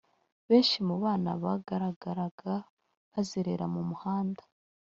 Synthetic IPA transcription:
βe̞ːnʃimuβaːna̰βaɡaɾaɡaɾaɡ̥a | βaziɾeɾamumuhaːndḁ

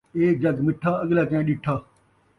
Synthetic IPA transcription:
eːk̚d͡ʒɐɡmɪʈʰːaːəɠlaːkẽːɗɪʈʰaː

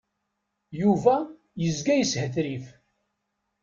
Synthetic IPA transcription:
juvæ | jəzɡæjəshəθɾif

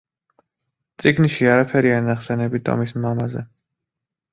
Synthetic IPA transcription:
t̪sʼiɡniʃiaɾapʰɛɾianaχsɛnɛbit̪ʰɔ̰mismamazɛ̰

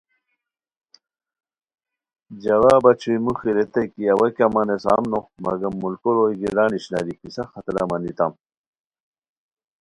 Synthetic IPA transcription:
d͡ʑɐwaːbɐt͡ɕʰuimuxiɾet̪ɐkiawɐkʲamɐnesa̰ːmnomɐ̰ɡɐmːulkoɾojɡiɾaːniɕna̰ɾikisɐxɐt̪ɾɐ̰mɐnit̪am

